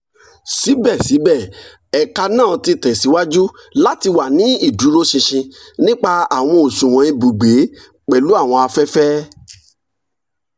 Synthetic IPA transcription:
si˨˦bɛ˦˨si˨˦bɛ˦˨ | ɛ˨ka˧nãː˦˨ti˧tɛ˨si˨˦wa˦d͡ʒu˦ | la˦ti˧wa˨nĩ˨˦i˦˨du˨˦ɾo˦ʃĩ˧ʃĩ˧nĩ˦k͡pa˦˧a˨w̃ɔ̃˧o˨sũ˨w̃ɔ̃˨˦i˧bu˨ɡ͡be˨˦ | k͡pɛ˨lu˨˦a˦˨w̃ɔ̃˧a˧fɛ˦fɛ˦

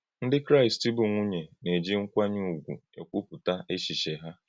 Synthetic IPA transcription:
n̩˦dɪ˦kɾa˦ɪ˨sti˦bʊ˨ŋʷʊ˦ɲe˨ne˨d͡ʒi˦ŋ̩˦kʷa˦ɲu˦˨ɡʷṵ˨ḛ˨kʷu˦pʊ˨ta˦ʔe˦ʃi˨ʃe˨ɦa˦

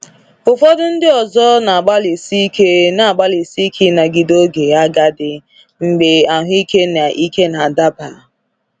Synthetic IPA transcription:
ʊ˨fɔ˦dʊ˦n̩˦dɪ˦ɔ˨zɔ˦na˨a˨ɡ͡ba˦li˨si˦i˦ke˦na˨a˨ɡ͡ba˦li˨si˦kʰi˦na˨ɡi˨do˦ɡe˨a˦ɡa˦dɪ˨ | ŋ͡m̩˨ɡ͡be˨a˨ɦʊ˦i˦ke˦na˨ʔi˦ke˦na˨da˦ba˨

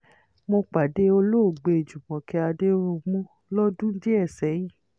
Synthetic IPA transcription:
mõ˧k͡pa˨de˨˦o˧lo˦˨ɡ͡be˧e˨d͡ʒu˨mɔ̃˨kɛ˧a˧de˦o˦o˧mũ˦ | lɔ˦dũ˦n̩˦d͡ʒe˦ɛ˦˨sɛ˨˦jĩ˦˨

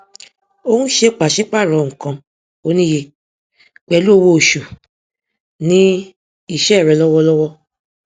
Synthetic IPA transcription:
o˧hũ˦ʃe˧k͡pa˨ʃi˨˦k͡pa˦˨ɾɔ̃˨ŋ̩̃˨kã˧ | o˦nĩ˦je˧ | k͡pɛ˧˦lu˦o˧wo˧˨ʃu˨ | nĩ˦ | i˦˨ʃɛ˦˨ɾɛ˨˧˨lɔ˦wɔ˦˧lɔ˦wɔ˦

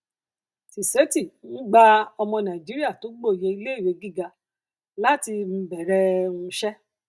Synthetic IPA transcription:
si˨se˨˦ti˦˨ñ̩˦ɡ͡ba˦ɔ˧mɔ̃˧nã˨d͡ʒi˨˦ɾi˦a˦˨to˨˦ɡ͡bo˦˨je˧i˧le˦i˦˨ɾe˨˧ɡi˦˨ɡa˧ | la˦ti˧m̩˧˦bɛ˨ɾɛ˦ũ˧ʃɛ˦

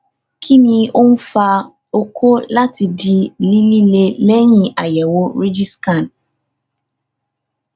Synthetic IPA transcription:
kʰi˦nĩ˧o˦n̩˦fa˧ | o˧kʰo˦la˦ti˧di˧li˦li˦le˧lɛ˦j̃ĩ˦ʔa˨jɛ˨wo˦ɾi˦d͡ʒi˦skã˦˨n

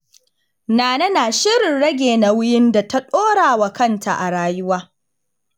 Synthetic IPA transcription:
naː˨nɐ˦naː˨ʃɪ˦ɽɪ˨nɽɐ˦ɡʲeː˨na˨wʊ˦jɪ˦nda˨ta˦ɗoː˦ɽaː˨wa˨kɐ˦˨ntʰa̰˨ʔa˨ɽaː˦jʊ˦waː˦

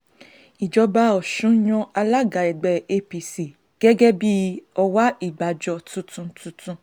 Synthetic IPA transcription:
i˨d͡ʒɔ˨˧ba˧˦ɔ˨ʃũ˨˦j̃ɔ̃˧a˧la˦ɡa˨ɛ˨ɡ͡bɛ˨˦e˧pi˧si˨ | ɡ̥ɛ˦ɡɛ˦bi˦ɔ˧wa˦i˦˨ɡ͡ba˨d͡ʒɔ˧tũ˦tũ˧tũ˧tũ˧

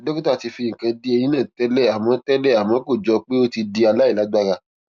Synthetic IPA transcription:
do˦ki˦ta˦˨ti˨˧fi˧jĩ˨kã˧di˦e˧ĩ˦nã˦˨tɛ˦lɛ˦˨a˨mɔ̃˨˦tɛ˦lɛ˦˨a˨mɔ̃˨˦ko˦˨d͡ʒɔ˧k͡pe˦o˦ti˧di˧a˧la˦i˦˨la˨˦ɡ͡ba˧ɾa˧

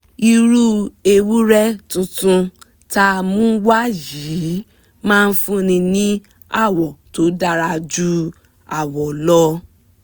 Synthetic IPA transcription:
i˧ɾu˦e˧wu˦ɾɛ˦tũ˧tũ˧ | ta˦˧mũ˦wa˦ji˨˦ | mãː˦˧n̩˦fũ˦˧nĩ˧nĩ˦ | a˦˨wɔ˨to˨˦da˦ɾa˧d͡ʒu˦ | a˨wɔ˨lɔ˦

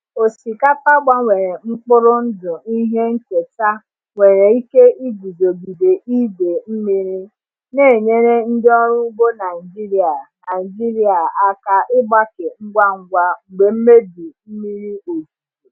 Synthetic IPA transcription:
o˨si˨ka˦pa˦ɡ͡ba˦ŋʷe˨ɾe˨ŋ͡m̩˦k͡pʊ˦ɾʊ˦n̩˦dʊ˨i˦ɦe˦ŋ̩˦ke˨ta˦ | ŋʷe˨ɾe˨i˦ke˦ʔi˦ɡu˨zo˨ɡi˨de˨ʔi˦de˨m̩˦mi˦ɾi˦ | ne˦˨ɲe˦ɾe˦n̩˦dɪ˦ɔ˦ɾʊ˦u˦bo˦na˨ɪ˨d͡ʒi˦ɾi˦a˨na˨i˨d͡ʒi˦ɾi˦a˨a˦ka˦ʔɪ˦ɡ͡ba˦ke˨ŋ͡m̩˦ɡʷa˦ŋ̩˦ɡʷa˦ŋ͡m̩˨ɡ͡be˨m̩˦me˦di˨m̩˦mi˦ɾi˦o˨d͡ʒu˨u˨

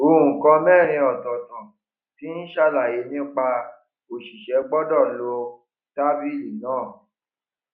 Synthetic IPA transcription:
o˨ũ˨kɔ̃˧mɛ˦˨ɾ̃ĩ˧ɔ˨tɔ˨tã˨ | ti˨˦n̩˦ʃa˧la˨je˨˦nĩ˦k͡pa˧ | o˨ʃi˨ʃɛ˨˦ɡ͡bɔ˦dɔ˦˨lo˧˦ | ta˦bi˦˨li˨nãː˦˨

